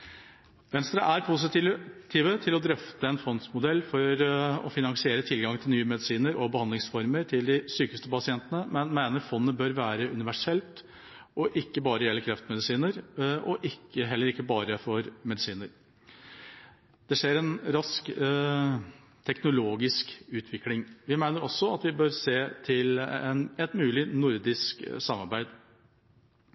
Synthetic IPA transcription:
ʋɛnst̪ɾɑ̰ʔæɾpʰʊs̬ɪt̪ːt̪ʰiːʋət̪ʰɪlɔd̪ɾœft̪əɛnfɔnsmʊd̪ɛlːfɔɾɔ̰fɪnɑŋsɪeːɾət̪ʰɪlɡɑŋt̪ʰɪlnyːəmɛd̪ɪsiːnəɾɔbəhɑnd̪ɪŋsfɔɾməɾʈʰɪld̪ɪsyːkəst̪əpɑsɪɛnt̪ənəmɛnmæɪnəɾfɔnːnəbøːɾʋæːɾəʔʉnɪʋæʂɛlt̪ | ɔʔɪkːəbɑːɾəjɛlːəɾkʰɾɛft̪mɛd̪ɪsiːnəɾʔɔʔɪkːəɦɛlːəɾɪkːəbɑːɾəfɔɾmɛd̪ɪsiːnəɾ | d̪̥ɛʂeːɾɛnɾɑsk | t̪ʰɛknʊloːɡɪskʉːt̪ʰʋɪklɪŋʋɪmæɪnəɾɔsːɔɑt̪ʋɪbøɾseːt̪ʰɪlɛnɛt̪mʉːlɪnʊɾd̪ɪsksɑmːɑɾbæɪd̪

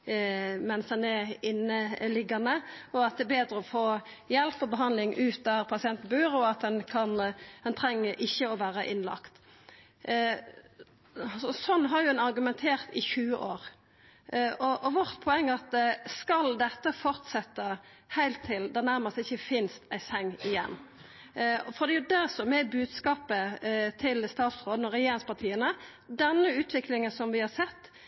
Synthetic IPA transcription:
mɛnsd̪ɛnɛɪnəlɪɡɑnəɔɑt̪̚d̪ɛːbeːd̪ɾəɔfoː | jɛlpːɔbəɦɑnlɪŋʔʉːt̪ːɑɾpʰɑsɪɛnt̪n̩bʉːɾʊɑt̪̚d̪ɛnkʰɑnd̪ɛnt̪ʰʁɛŋːəɾʔɪçːəɔʋæːɾəʔɪnlɑ̰kt̪ | sɔsɔnːɦɑɾjʊɛnɑʁɡʉmɛnt̪ʰeːʁt̪ɪçʉːəʔoːʁ | ɔʔɔʋɔʁt̪pʰɔɛŋːəɑt̪skɑld̪ɛt̪ːəfɔʁt̪sɛt̪ːə | hæɪlt̪ʰːɪld̪ɛnæɾməst̪ɪçːəfɪnst̪æɪsɛŋːɪjɛ̰nː | fɔʁd̪ɛjʊd̪æsɔmɛbʉːd̪skɑːpət̪ʰɪlst̪ɑːt̪sʁoːd̪n̩ɔɾɛjeːɾɪŋspʰɑʁt̪ʰiːənə | d̪ɛnːəʉːt̪ʰʋɪklɪŋənsɔmʋɪhɑsɛt̪ː

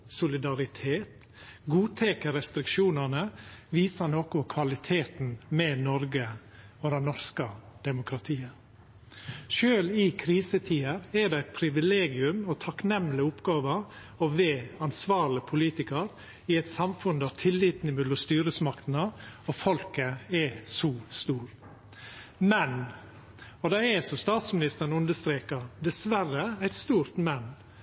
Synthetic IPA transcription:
sʊlɪd̪ɑɾɪt̪ʰeːt̪ | ɡuːt̪ʰɛkəɾɛst̪ɾɪkʃuːnənəʋiːsənoːkɔkʰʋɑlɪt̪ʰeːt̪n̩mɛnɔɾɡə | ɔd̪ɛnɔɾskəd̪̥ɛmʊkʰɾɑt̪ʰiːə | ʃøːlɪkʰɾiːsət̪ʰiːəɾɛɖ̪ɛæɪt̪̚pʰɾɪʋɪleːɡɪʉmɔt̪ʰɑknɛmlɪʊpɡɑːʋəɾ | ɔʋeːɑnsʋɑːɾlɪpʰʊliːt̪ɪkəɾ | ɪɛɪt̪sɑmfʉnd̪ɑt̪ʰɪlːiːt̪nɪmʉlʊst̪yːɾəsmɑkt̪nəɔfɔlkəɛsuːst̪uːɾ | mɛn | ɔd̪ɑɛsɔst̪ɑːt̪smɪnɪst̪əɾn̩ʉnd̪əst̪ɾeːkɑd̪ɛsʋæɾəæɪt̪st̪uːɾt̪mɛnː

